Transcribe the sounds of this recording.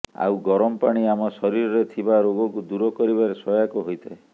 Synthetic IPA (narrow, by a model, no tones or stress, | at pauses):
a̰wɡɔɾɔmɔpaɽ̃iamɔsɔɾiɾɔɾet̪ʰibaɾoɡɔkud̪uɾɔkɔɾibaɾesɔjakuɦojt̪ʰae